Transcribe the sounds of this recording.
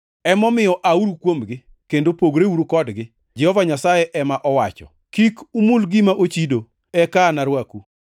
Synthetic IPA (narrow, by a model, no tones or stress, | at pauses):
ɛmɔmɪjɔʔauɾukwomɡɪ | kendopoɡɾeuɾukɔdɡɪ | d͡ʒɛhɔvaɲasajɛʔɛmaʔɔwat͡ʃɔ̰ | kikumulɡimaʔot͡ʃido | ɛkaːnaɾwaku